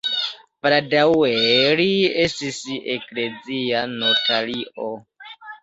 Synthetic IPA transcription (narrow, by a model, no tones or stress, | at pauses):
pɾadaweliestisekled͡zianotʰaliʔo